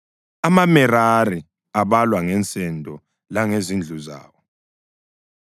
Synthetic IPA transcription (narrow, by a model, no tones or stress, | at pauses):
amamɛɾari | aβalwaŋɛnt͡sʼɛndʱʼɔ | laŋezind͡ɮʱuza̰ːwɔ